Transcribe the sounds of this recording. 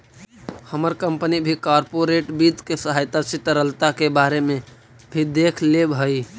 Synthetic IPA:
həməɾkəmpənibʱikaɾpoɾeʈbit̪kesəɦajt̪at͡ʃit̪ɾəlt̪akebaɾeme | bʱid̪ekʰlebɦəj

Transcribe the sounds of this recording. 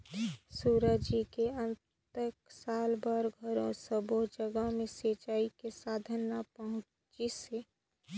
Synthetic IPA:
suːɾəd͡ʒikeənt̪əksaːlbəɾɡʱəɾõsəbod͡ʒəɡəɦmẽseːt͡ʃaːikesaːd̪ʱənːapəɦʊ̃ | t͡ʃise

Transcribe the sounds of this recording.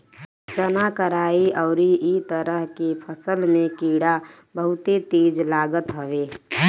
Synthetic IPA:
t͡ʃənakəɾaːiʔəʊɾiit̪əɾəɦkepʰəsəlmẽkiːɽa | bəɦʊt̪et̪eːd͡ʒlaːɡət̪ɦəʋeː

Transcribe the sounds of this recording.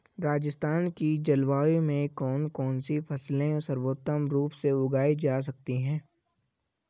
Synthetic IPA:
ɾaːd͡ʒəst̪ʰaːnkid͡ʒɐlʋaːimẽkɔːnkɔːnsifʰɐslẽsɐɾwoːt̪əmɾuːpseʊɡaːid͡ʒaːs̬ɐk̚t̪iɦɛ̃ː

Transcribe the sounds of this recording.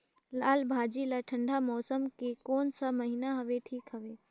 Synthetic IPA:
laːlbʱaːd͡ʒilaʈʰɐ̃ɳɖʱamɔːsəmkekɔːnsamɐɦinaɦɐʋeʈʰiːkɦɐʋeː

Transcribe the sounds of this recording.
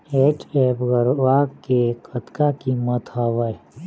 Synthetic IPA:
eːʈeːpɡəɾʋakekʰət̪kakimət̪ɦaʋəj

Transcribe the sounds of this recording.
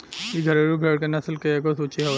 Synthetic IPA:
iɡʱəɾeɾubʱeɽkenɐslkeeːkosut͡ʃiɦɛ

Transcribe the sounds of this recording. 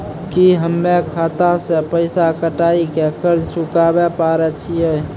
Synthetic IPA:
kiɦəmːekʰaːt̪asepəɪsakəʈaːikekəɾt͡ʃʊkabepaːɾet͡ʃʰiɛː

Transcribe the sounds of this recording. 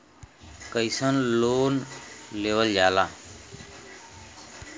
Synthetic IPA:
kəisənloːnleːʋəld͡ʒaːlãː

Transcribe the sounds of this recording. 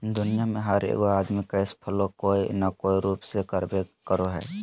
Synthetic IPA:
d̪ʊnijameɦəɾḛːɡoad̪mikəjspʰəlokoinəkoːiɾuːpsekəɾbekəɾoɦɛ̰ː

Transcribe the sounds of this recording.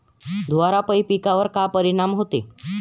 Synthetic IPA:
d̪ʱʋaɾapəipikaʋəɾkapəɾiɽ̃amɦot̪e

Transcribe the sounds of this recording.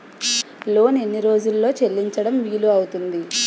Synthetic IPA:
lo̞ːne̞nːiɾo̞ːd͡ʒulːo̞ːt͡ʃe̞lːiɲt͡ʃɐɽɐmʋiːluɐwut̪und̪i

